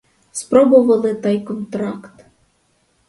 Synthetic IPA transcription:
spɾɔbʊʋɐlˠɪt̪ɑjkɔnt̪ɾɑkt̪

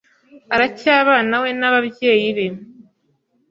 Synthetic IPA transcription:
aɾacaːβaːnawe̞naβaβje̞ːjiβe̞

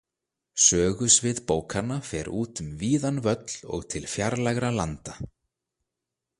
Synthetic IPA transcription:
sœːɣʏsvɪðpoːwkʰanːafɛɾʔuːt̪ʏmviːðanvœt̪l̥ɔ̰ɣt̪ʰɪlfjaɾlajɣɾalant̪a

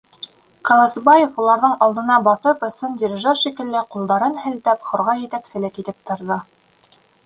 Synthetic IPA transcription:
kɑlˠɑsbɑjefulˠɑɾðɤɴɑlˠd̪ɤ̆nɑbɑθɤpɵ̆sɵndʲɪɾʲɪʒoɾʃikɘ̆lːɘqulˠd̪ɑɾɤnhɘ̆lt̪æpχŏɾʁɑjɘ̆t̪æksɘ̆lɘkit̪ɘp̚t̪ŏɾðɤ

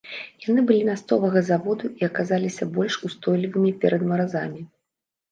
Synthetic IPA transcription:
jan̪ɨbɨlʲinast̪ɔvɐɣɐzavɔd̪uiɐkazalʲisʲɐbɔlʲʂust̪ɔjlʲivɨmʲipʲɛɾɐd̪mɐɾazamʲi

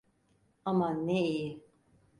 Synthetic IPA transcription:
amaneiji

